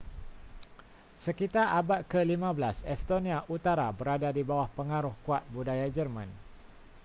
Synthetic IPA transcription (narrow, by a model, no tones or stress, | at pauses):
səkit̪arʔabat̪̚kəlimãbəlasɛst̪onĩaʔut̪aɾabəɾadadibawahpəŋaɾʊhkuat̪̚budajad͡ʒərmãn